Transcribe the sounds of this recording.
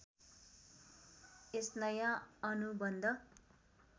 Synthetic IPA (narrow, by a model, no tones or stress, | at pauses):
esnʌjãʌnubʌnd̪ʱʌ